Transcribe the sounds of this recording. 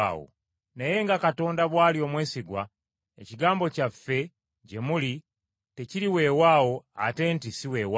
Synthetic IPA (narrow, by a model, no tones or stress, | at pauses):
ao̰ | neje̞ŋɡakato̞ːndaβwaːlio̞ːmwe̞ːsiɡwa | ḛciɡaːmbo̞cafːe̞ | ɟemuli | te̞ciɾiwe̞ːwaːwo̞a̰te̞ːntisiweːwa